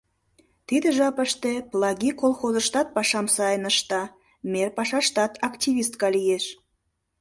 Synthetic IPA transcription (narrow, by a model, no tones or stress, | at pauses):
t̪id̪eʒɑpəʃt̪eplˠɑɣikolˠxozəʃt̪ɑt̪̚pɑʃɑmsɑjənəʃt̪ɑ | merpɑʃɑʃt̪ɑt̪ɑktʲiβʲist̪̚kɑlijeʃ